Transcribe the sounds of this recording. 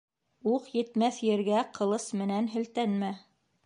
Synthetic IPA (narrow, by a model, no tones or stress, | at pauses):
uqjɘ̆t̪mæθjɘ̆ɾɡæqʰɤ̆lˠɤsmɘ̆nænɦɵ̆lt̪ænmæ